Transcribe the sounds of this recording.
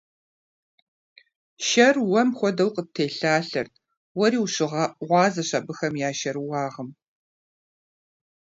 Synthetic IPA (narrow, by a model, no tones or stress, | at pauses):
ʃɐrwɐmxʷɔdɐwqətʰeːɬaːɬɐ̰rt | wɔɾiːwɕɪʁɑʔʁʷɑːzɐɕɐbɨxɐmjaːʃɐɾɨwɑːʁəm